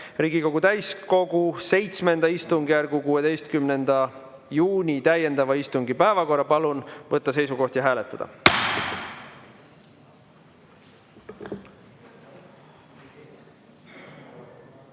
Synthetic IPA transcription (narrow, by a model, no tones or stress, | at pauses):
riːɡ̥iko̞ɡ̥ut̪æjsko̞ɡ̥use̞jt̪sme̞nd̪ɑist̪uŋɡ̥ijærɡukuːe̞d̪e̞jst̪̚kymne̞nd̪̥ɑ | juːnʲit̪æje̞nd̪̥ɑvɑist̪uŋɡipæevɑko̞rːɑpɑlunvɤt̪ˑːɑse̞jsuko̞ht̪jɑɦæːle̞t̪ːˑɑd̪̥ɑ̰